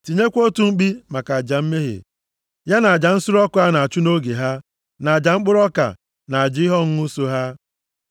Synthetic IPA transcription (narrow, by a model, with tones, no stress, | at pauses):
ti˨ɲe˦kʷo˦tu˨˦ŋ͡m̩˦ɡ͡bi˦ma˨ka˨a˨d͡ʒa˨m̩˦me˦ɦḛ˨ | ja˦na˨a˨d͡ʒa˨n̩˦sʊ˦ɾɔ˦kʊ˦a˦na˨a˨t͡ʃu˦no˦ɡe˨ɦa˦ | na˨a˨d͡ʒa˨ŋ͡m̩˦k͡pʊ˦ɾɔ˦ka̰˨ | na˨a˨d͡ʒɪ˦ɪ˦ɦɔ˦ŋ̩˦u˦so˦ɦa˦